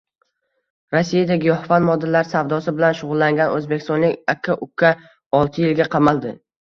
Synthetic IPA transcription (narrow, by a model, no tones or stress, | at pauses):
ɾasːijad̪aɡʲɪjɒhfanmɒd̪ːalaɾsavd̪ɒsɪbɪlanʃʊʁʊlˠːaŋɡʲanɵzbekʲɪ̥st̪ɒnlɪkʲakʰːaʔʊkʰːa | ɒlˠt̪ʰɪjɪlɡʲaqʰɑmalˠd̪ɪ